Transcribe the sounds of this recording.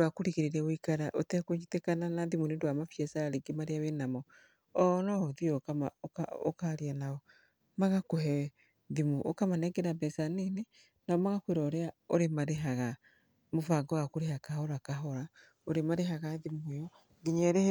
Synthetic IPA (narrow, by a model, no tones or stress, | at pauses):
dwakoɾiɣeɾeɾɛwikaɾaʔotɛkoɲitekananaðimunedwamafjɛsaɾeɡemaɾeawenamɔ | ɔnɔðiɔkamaao̰kaɾeanaɔ | maɣakoɦɛ | ðimuʔo̰kamanɛɡɛɾabɛsanene | naɔmaɣakweɾaoɾeaoɾemaɾeɦaɣa | mofaɡɔwakoɾeɦakaɦɔɾakaɦɔɾa | oɾemaɾeɦaɣaðimojɔ | ɡeɲɛɾe